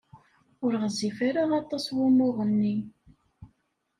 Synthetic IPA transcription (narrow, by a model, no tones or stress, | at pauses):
ʊɾʁzifaɾaʁɑt̪ˤɑswʊmʊʁˤənːi